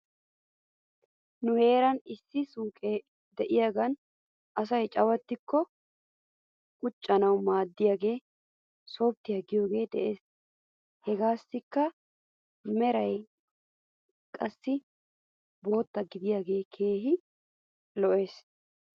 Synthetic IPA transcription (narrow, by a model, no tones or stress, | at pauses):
nʊhe̞ːɾɐnɪsːɪsuːkʼeː | d̪ɛʔɪjaːɡɐn | ʔɐs̬ɐjt͡ʃʼɐwɐt̪ːɪkːɔ | kʼʊt͡ʃʼːɐnɐwmaːd̪ːɪjaːɡe̞ː | so̞ːb̚t̪ːɪjaɡɪjo̞ːɡe̞ːd̪ɛʔe̞ːs | hɛɡaːsːɪkːɐ | mɛɾɐj | kʼɐsːɪ | bo̞ːt̪ːɐɡɪd̪ɪjaːɡe̞ːkʰe̞ːɦɪ | lɔʔe̞ːs